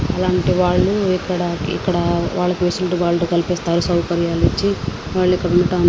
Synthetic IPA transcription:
ɐlaːɳʈiʋaːɭːuikːɐɽɐḭkːɐɽɐʋaːɭːɐkiʋeːsulʈuʋaːɭːɐokɐlipeːst̪aːɾusɐwkɐɾjaːlit͡ʃːi | ʋaːɭːikːɐɽunːɐʈaːn

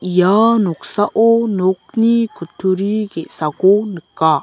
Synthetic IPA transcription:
janɔksaʔonok̚nikutʰːuɾiɡesakonɯkːa

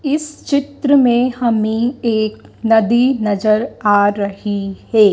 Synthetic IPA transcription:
ɪst͡ʃɪt̪ɾəmẽhɐmĩeːk̚nɐd̪inɐzəɾaːɾɐhihɛː

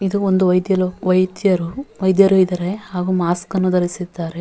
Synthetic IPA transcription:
id̪uond̪uʋɐjd̪jɐloʋɐjd̪jɐɾuʋɐjd̪jɐɾuid̪ɐɾe̞haːɡuːmaːskɐnːud̪ɐlisid̪ːaːɾe

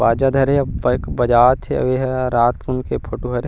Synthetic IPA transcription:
aːd͡ʒad̪ʱɐɾebkbɐd͡ʒaːt̪ʰeɐ̰ʋeɦɛɾaːt̪kʊnkepʰoːʈuɦɐɾe

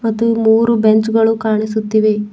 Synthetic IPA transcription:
mɐt̪ːumuːɾubeɲt͡ʃɡɐɭukaːɳisut̪ːiʋe

